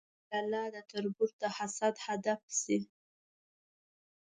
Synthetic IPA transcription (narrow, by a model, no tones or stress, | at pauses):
alɑd̪ət̪aɾbuɾt̪ahasad̪had̪afsi